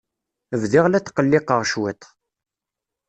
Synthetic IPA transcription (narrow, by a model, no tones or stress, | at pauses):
əvðɪʁlæt͡sːqəlːɪqəʁʃwit̪ˤ